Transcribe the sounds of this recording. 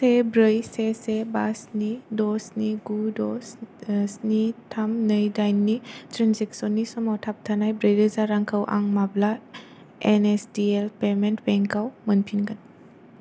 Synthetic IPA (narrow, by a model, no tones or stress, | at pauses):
sebɾəjsesebasnidɔsniɡudɔssnitʰamnɯjdajnːitɾenzeksɔnːisɔmɔtʰap̚tʰanajbɾəjdɯzaɾaŋkʰəwʔa̰ŋmabla | enesdielpementbeŋkawmənpʰinɡan